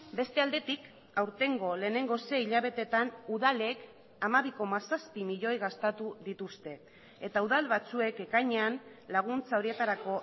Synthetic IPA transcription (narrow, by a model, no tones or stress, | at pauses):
be̞st̪e̞ald̪e̞t̪ik | awɾt̪e̞ŋɡo̞le̞ːne̞ŋɡo̞se̞iʎaβe̞t̪e̞t̪anuðale̞k | amaβ̞iko̞masaspimiʎo̞jɣast̪at̪uðit̪ust̪e̞ | et̪auðalβat͡sue̞ke̞kaɲeanlaɣ̞unt͡sao̞ɾie̞t̪aɾako̞